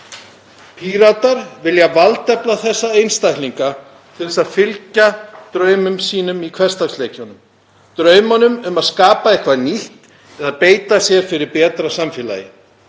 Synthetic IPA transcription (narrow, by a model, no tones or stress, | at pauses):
pʰiɾat̪aɾvɪljavalt̪ɛplaθɛsːaejnst̪ajhliŋka | t̪ʰɪlɛsaðfɪlcat̪ɾœːɥmʏmsiːnʏmikʰvɛ̥st̪aksleːjcɔnʏm | t̪ɾœːɥmanʏmʏmaðskaːpaɛhkvaniht̪ | ɛðaðpeːjt̪asjɛɾ̥fɪɾɪɾpɛːt̪ɾasamfɛːla̰ːjɪ̰